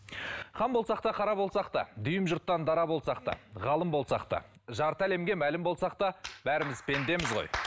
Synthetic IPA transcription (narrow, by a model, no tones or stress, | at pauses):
χɑmbo̞lˠsɑqt̪ɑqʰɑɾɑbo̞lˠsɑqt̪ɑ̰d̪ʏjɪmʒʊɾt̪ːɑnd̪ɑɾɑbo̞lˠsɑqt̪ɑ̰ʁɑlˠəmbo̞lˠsɑqt̪ɑ̰ | ʒɑɾt̪æle̞mɡʲe̞mælɪmbo̞lˠsɑqt̪ɑbæɾɪmɪzpʰe̞nd̪e̞mɪzʁo̞̰j